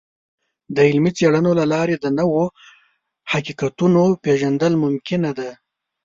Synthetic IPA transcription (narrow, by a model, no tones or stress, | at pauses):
d̪əɪlmit͡seɽənolalɑɾed̪ənəwo | hakiqat̪unopeʒand̪əlmʊmkɪnad̪a